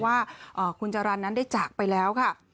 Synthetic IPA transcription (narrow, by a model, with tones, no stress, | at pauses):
waː˥˩ʔɤː˨˩kʰu˧nt͡ɕa˧ɾa˧nːa˦˥nda˥˩jt͡ɕaː˨˩k̚pa˧jlɛː˦˥wkʰa˥˩